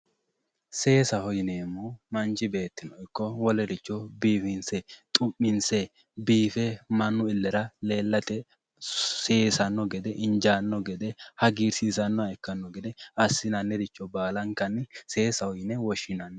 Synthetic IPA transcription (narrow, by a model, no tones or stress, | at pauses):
se̞ːsɐhɔjneːmuːmɐnt͡ʃɪbe̞ːt̪ːɪnɔɪkːɔwɔlɛdɪt͡ʃːɔbiːfɪnsɛt̪ʼʊmːɪnsɛ | biːfɛmɐnːʊɪlːɛɾɐle̞ːlːɐt̪ɛ | seːsɐnːɔɡɛd̪ɛʔɪnd͡ʒaːnːɔɡɛd̪ɛhɐɡiːɾsiːsɐnːɔaɛkːɐnːɔɡɛd̪ɛɐsːɪnɐnːɛɾɪt͡ʃːɔbaːlɐŋkɐnːɪse̞ːsɐhɔjnɛwɔʃɪnɐnːɛ